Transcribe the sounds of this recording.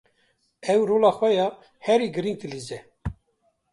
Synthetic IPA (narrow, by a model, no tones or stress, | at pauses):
ɛwɾoːlɑːxʷɛjɑː | hɛɾiːɡɨɾiŋɡ̚t̪ɨlizɛ